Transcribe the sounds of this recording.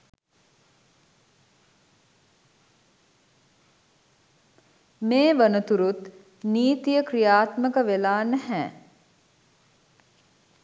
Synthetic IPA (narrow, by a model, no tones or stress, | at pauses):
meːʋənət̪uɾut̪ | niːt̪ijəkɾijaːt̪məkəʋelaːnəhɛː